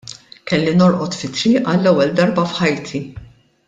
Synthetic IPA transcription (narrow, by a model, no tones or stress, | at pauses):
kɛlːinɔɾʔɔt̪fɪt̪ːɾiːʔɐlːɛwːɛld̪ɐɾbɐfħɐjt̪ʰi